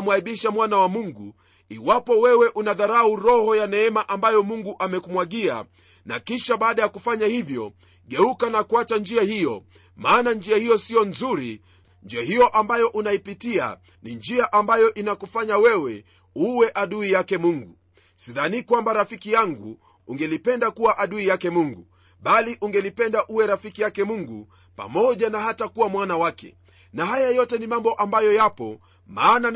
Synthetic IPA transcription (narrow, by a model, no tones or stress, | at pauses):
mwaiɓiʃamwanawamuŋɡu | iwapɔwɛwɛʔunaðaɾauɾɔhɔjanɛɛmaʔambajɔmuŋɡuʔamɛkumwaɠia̰ | nakiʃaɓaːɗajakufaɲahivjɔ̰ | ɠɛukanakuat͡ʃand͡ʒiahijɔ | maːnand͡ʒiahijɔsiɔnzuɾḭ | nd͡ʒiahijɔʔambajɔʔunaipitia̰ | nind͡ʒiaʔambajɔʔinakufaɲawɛwɛ | uwɛʔaɗuijakɛmuŋɡu | siðanikwambaɾafikijaŋɡuː | ŋɡɛlipɛndakuwaʔaɗuijakɛmuŋɡu | ɓaliʔuŋɡɛlipɛndaʔuwɛɾafikijakɛmuŋɡu | pa̰mɔʄanahatakuwamwanawakɛ̰ | naɦajajɔtɛnimambɔʔambajɔjapɔ | maːna